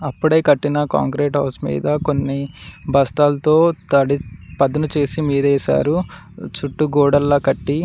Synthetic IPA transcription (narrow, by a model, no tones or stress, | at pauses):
ɐpːuɽɐjkɐʈːinɐka̰ːŋkɾeːʈɦɐːɾsmḭːd̪ɐko̞nːibʱɐst̪aːlɐt̪o̞ːt̪ɐɽipɐd̪ɐnut͡ʃe̞ːsimiːd̪ɛːsa̰ːɾu | t͡ʃuʈːuɡɔːɽɐlːɐkɐʈːi